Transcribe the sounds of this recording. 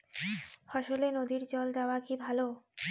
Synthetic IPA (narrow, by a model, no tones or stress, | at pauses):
fɔʃolenod̪iɾd͡ʑɔld̪eoakibʱalo